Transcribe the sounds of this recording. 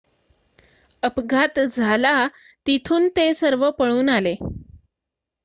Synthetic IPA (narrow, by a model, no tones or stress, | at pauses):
əpɡʱat̪d͡zʱala | t̪it̪ʰuːnt̪esəɾʋəpəɭuːnale